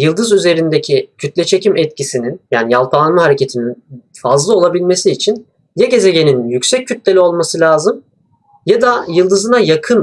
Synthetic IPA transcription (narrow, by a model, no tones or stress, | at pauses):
jɯlˠd̪ɯzyze̞ɾind̪ecʰicʰyt̪lʲɛt͡ʃʰe̞cʰimɛt̪̚cʰisininjaːnijalˠpaːnmaɦaɾece̞t̪ʰinin | fazlˠɯolˠabilʲme̞siːt͡ʃʰin | jaɟe̞zeɟe̞ninjycsɛc̚ʰːyt̪lʲe̞lʲio̞lˠmasɯlʲaːzɯm | jad̪ajɯlˠd̪ɯzɯnajakʰɯn